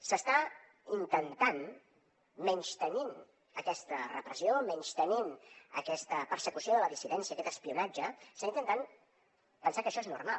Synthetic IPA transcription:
səst̪a | int̪ənt̪an | mɛɲʲst̪ənin | əkɛst̪ərə̰pɾəsiomɛɲst̪əninə̰kɛst̪əpərsəkusioðələðisiðɛnsiəkɛt̪əspiunad͡ʒəst̪aint̪ənt̪an | pənsakəʃɔeznṵrmal

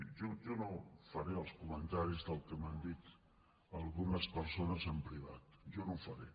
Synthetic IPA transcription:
ʒoʒɔnofəɾeəlˠskumənt̪aɾizðəlˠkəmand̪it̪ | əlˠɣunəspəɾsonəzəmpɾiβ̞at̪ʒɔnowfəɾe

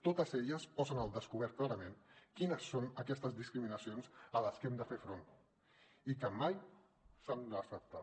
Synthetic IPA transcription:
t̪ot̪əzeʎəspɔzənəlˠd̪əskuβɛɾt̪̚klaɾəmenkinəsːonəkɛst̪əzðiskɾiminəsionzələskɛmd̪əfeɾfɾon | ikəmaj | sand̪əsəp̚t̪a

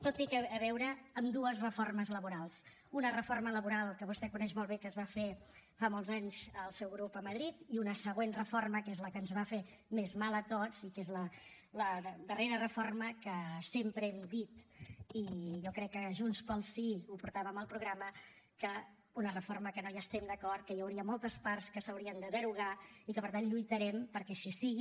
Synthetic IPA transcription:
t̪ot̪ikəːβɛwɾəːmd̪uəzrəforməzləβuɾalˠs | unərəformələβuɾalˠkəβust̪ɛkunɛʃmɔlˠβ̞ekəzβafefamɔlˠzaɲzəlˠsɛwɣɾupəməð̞ɾit̪iunəsəɣ̞wenrəforməkezləkənzβafe | mezmalˠət̪ot͡sikezlə | ləd̪əreɾərəforməkəsempɾəɛmd̪it̪iʒɔkɾɛkːəʒunspəlˠsiupuɾt̪aβəməlˠpɾuɣɾamə | kə | unərəforməkənojaːst̪ɛmd̪əkɔrt̪̚kəjəwɾiəmɔlˠt̪əsparskəsəwɾiənd̪əðəɾuɣ̞aikəpəɾt̪anʎujt̪əɾɛmpəɾkɛʃisiɣi

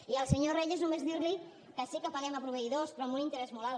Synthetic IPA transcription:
iəlˠsəɲoreʎeznumezðiɾli | kəsikəfaɾɛmapɾuβəiðospɾɔmulint̪əɾɛzmɔla

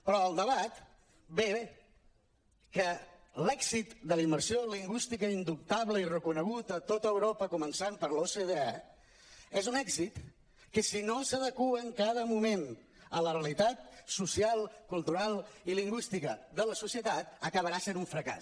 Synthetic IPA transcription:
pɾɔəlˠd̪əβat̪ | be | kəlɛɡzit̪d̪əliməɾsioliŋɡwist̪ikəind̪up̚t̪aβləirəkunəɣut̪ət̪ot̪əəwɾopəkumənsampəɾloseðeɛ | ezunɛɡzit̪ | kəsinosəðəkuəːŋkað̞əmumen | ələrəlit̪at̪̚susialˠkulˠt̪uɾalˠiliŋɡwist̪ikəðələsusiət̪at̪əkəβ̞əɾasenuɱfɾəka̰s

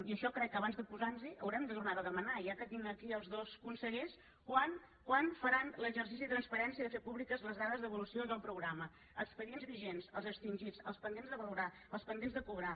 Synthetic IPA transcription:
iəʃɔkɾɛkːəβanzðəpuzanziʔəwɾɛmd̪ət̪urnaðəðəmənaiakət̪iŋəkiəlˠzðoskunsəɣeʃ | kwan | kwanfəɾanləʒərs̬isiðət̪ɾənspəɾɛnsiəðəfepuβlikəzləzðaðəzðəβulusioðəlˠpɾuɣɾamə | əkspəðienzβiʒensəlˠzəkst̪inʲʒit͡səlˠspənd̪enzðəβəluɾa | əlˠspənd̪enzðəkuβɾa

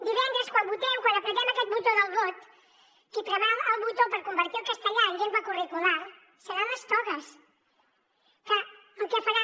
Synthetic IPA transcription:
d̪iβɛnd̪ɾəskwambut̪ɛmkwanəpɾəɣɛməkɛt̪̚but̪oðəlˠβot̪ | kip̪ɾəβɛməlˠβut̪opəɾkumbəɾt̪iəlˠkəst̪əʎaəɲʒembəkurikulaɾ | səɾanəst̪ɔɣəs | kə | əlˠkɛfəɾa

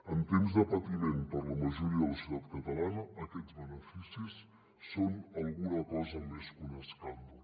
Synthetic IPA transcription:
ənt̪emzðəpət̪imenpərləməʒuɾiəðəsut̪at̪̚kət̪əlanəəkɛd͡zβənəfisisː | onəlˠɣunəkɔzəmeskunəskand̪ə

